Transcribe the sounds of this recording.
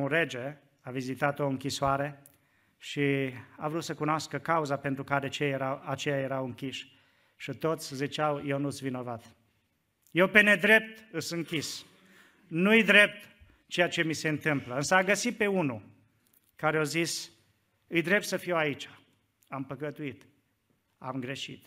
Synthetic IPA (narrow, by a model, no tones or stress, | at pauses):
uɾed͡ʒe | avizit̪at̪o̞ɨŋkʲisoaɾe̞ | ʃia̰vɾut̪səkunoaskəkauzape̞nt̪ɾukaɾe̞t͡ʃeajeɾawat͡ʃejaje̞ɾawɨŋkʲiʃ | ʃit̪o̞t̪sʲzit͡ʃawje̞wnuɨt̪svino̞vat̪ | je̞wpe̞ne̞d̪ɾe̞p̚t̪ɨsɨŋkʲis | nuɨjd̪ɾe̞p̚t̪ | t͡ʃe̞jat͡ʃe̞mise̞ɨnt̪ɨmpləɨnsəaɡəsit̪̚pe̞unu | kaɾeazis | ɨjd̪ɾe̞p̚t̪səfiait͡ʃḁ | ampəkət̪uit̪ | a̰mɡɾe̞ʃḭt̪